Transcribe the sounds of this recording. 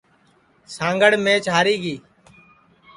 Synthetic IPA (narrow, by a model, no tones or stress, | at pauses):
sãːŋɡəɽmẽːt͡ʃaːɾiːɡiː